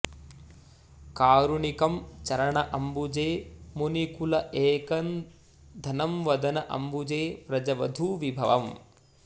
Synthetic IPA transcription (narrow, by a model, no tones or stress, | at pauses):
kaːɾuɳikɐmt͡ʃɐɾɐɳɐʔɐmbud͡ʒeːmunikulɐʔeːkɐn | d̪ʱɐnɐmʋɐd̪ɐnɐʔɐ̰mbud͡ʒeːpɾɐd͡ʒɐʋɐd̪ʱuʋibʱɐ̰ʋɐ̰m